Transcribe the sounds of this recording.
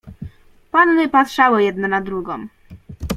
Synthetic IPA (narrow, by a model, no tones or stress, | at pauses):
pannɛpat̪ʂawɔjɛd̪nɔnad̪ɾuɡɔm